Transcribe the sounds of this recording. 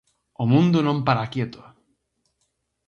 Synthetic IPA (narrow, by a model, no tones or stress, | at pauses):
omũnd̪ʊnõmpaɾakjet̪ʊ̥